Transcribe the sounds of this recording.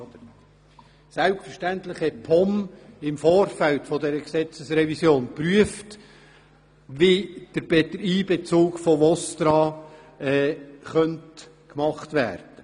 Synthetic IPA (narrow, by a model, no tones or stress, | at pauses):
d̪ə | sælpstfəʃtæntlɪχhɛt̚pʰɔmɪmfoːɾfæltfɔdɛɾəksɛt͡səsɾɛvisjoːnpɾyəft | vid̥əɾbd̥̪əɾiːbɛt͡suːɡfɔvɔst̪ɾɑː | ɛːχœnt | kmɑχtvæ̰ːɾd̥ə